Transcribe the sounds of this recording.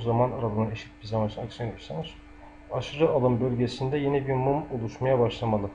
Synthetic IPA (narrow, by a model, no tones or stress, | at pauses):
zamanaɾalˠɯnɯneʃi̥t̪̚biɾzamanʃʰɯnaksyned̪isanɯz̥ | aʃɯɾɯʔalˠɯmbølʲɟesind̪ɛjenɛbiɾmumolˠuʃmajabaʃlˠamalˠɯ